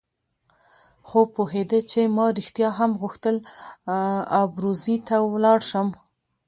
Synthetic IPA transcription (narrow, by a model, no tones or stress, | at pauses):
xopoɦed̪ət͡ʃemɑɾixt̪jɑɦamɣuxt̪əl | ɑbɾuzit̪awlɑɽʃəm